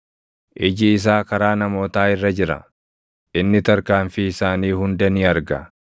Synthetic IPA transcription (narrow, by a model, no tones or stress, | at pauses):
ʔɪd͡ʒɪːs̬aːkɐɾaːnɐmo̞ːt̪aːɪrːɐd͡ʒɪɾɐ̰ | ʔɪnːɪt̪ɐɾkaːɱfiɪsaːniːhʊnd̪ɐniɐɾɡɐ̰